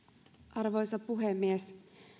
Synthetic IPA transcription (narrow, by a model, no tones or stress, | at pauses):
ʔɑrʋo̞jsɑpuɦemːies